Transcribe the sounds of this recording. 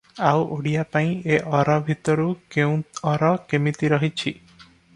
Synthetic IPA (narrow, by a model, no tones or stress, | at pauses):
awʔoɽijapaĩeʔɔɾɔbʱit̪ɔɾukeũɔɾɔkemit̪iɾɔɦit͡ʃʰi